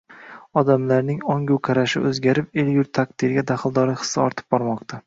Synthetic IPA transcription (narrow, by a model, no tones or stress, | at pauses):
ɒd̪amlaɾnɪŋɒŋɡʲuwqʰaɾaʃɪ̰ʔɵzɡʲaɾɪpeljʊɾt̪ʰːaq̚d̪ɪɾɡʲad̪aχɨlˠd̪ɒɾɪχɨ̥sːaɒ̰ɾt̪ʰɪ̥p̚bɒɾmɒqt̪ʰa